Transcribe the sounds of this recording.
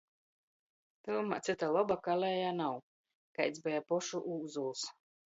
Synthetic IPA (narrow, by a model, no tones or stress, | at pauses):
t̪ɨlˠma̰t̪sɨt̪alˠɔbakalɛjaːnaw | kajt̪zbɛjapɔʃuʔuːzulˠs